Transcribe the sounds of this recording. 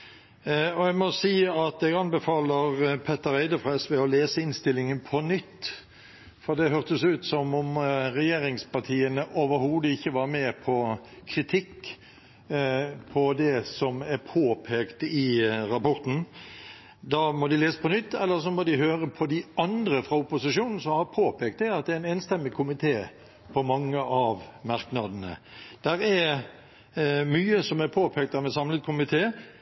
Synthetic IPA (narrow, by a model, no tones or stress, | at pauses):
ɔɛɡmɔsiːɑt̪ɛɡɑnbəfɑːləʁpʰɛt̪ːəɾæɪd̪əfʁɑɛsʋɛɔleːsəɪnst̪ɪlːɪŋənpʰɔnʏt̪ː | fɔʁd̪ɛɦœʁt̪əsʉːt̪sɔmʊmɾɛjeːɾɪŋspɑʁt̪ʰiːənəʔɔʋəɾhuːd̪əɪçːəʋɑːɾmɛːpʰɔkʰɾɪt̪ʰɪkː | pʰɔd̪ɛsɔmæɾpʰoːpʰeːkt̪ɪɾɑpɔɾt̪n̩ | d̪ɑːmɔd̪ɪleːsə̥pʰɔnʏt̪ːɛlːəɾs̬ɔmɔd̪ɪɦøːɾəpʰɔd̪ɪʔɑnd̪ɾəfʁɑʊpʊsɪʂuːnn̩sɔmhɑɾpʰoːpʰeːk̚t̪d̪ɛɑt̪̚d̪ɛæɾɪnɛnst̪ɛmːɪkʰʊmɪt̪ʰeː | pʰɔmɑŋːəʔɑʋmɑɾknɑd̪ənə̰d̪̥æɾæɾ | myːəsɔmæɾpʰoːpʰeːk̚t̪ɑmɛsɑmlət̪̚kʰʊmɪt̪ʰeː